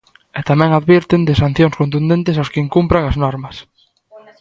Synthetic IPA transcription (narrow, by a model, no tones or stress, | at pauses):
ɛt̪amɛ̃ŋaðβiɾt̪ɪnd̪ɪsan̟θjoŋskont̪̬und̪ẽnt̪ɪsawskɪiŋkumpɾaŋɐznɔɾmɐs